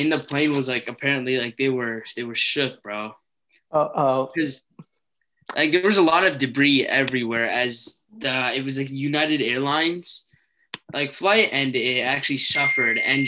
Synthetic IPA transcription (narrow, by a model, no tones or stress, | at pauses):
ɨ̃nðəpʰl̥ẽɪ̃nwʌzlaɪkɨpʰɛɹɨ̃nʔlilaɪk̚ðeɪwə˞ðeɪwə˞ʃʊk̚b̥ɹoʊ | oʔokʰʌz | lʔa̰ɪk̚ðə˞wʌzəlɔɾʌvdɨɡɹiɛvɹiwɛɹɨz | ðʌɪt̚wʌzlaɪkjʉnaɪɾɨɾɛɹlãɪ̃nz̥ | lʔaɪkflaɪɾɨ̃nɪɾæk̚t͡ʃʉl̩ˠisʌfə˞ɾɨ̰̃n